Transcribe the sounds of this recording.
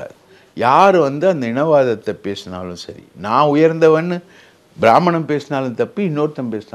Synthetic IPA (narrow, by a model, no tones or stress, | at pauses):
a̰ː | jaːɾʋɐnd̪ɯɐnd̪ɐɪɳɐʋaːðɐt̪ːɛpeːsna̰ːlɯ̃sɐ̰ɾḭnãːʊjɐɾnd̪ɐʋɐnːɯ | bɪɾaːmɐɳɐmpeːsnaːlɯ̃nt̪ɐpːiɪnːoːɾt̪ːɐmpeːsnaː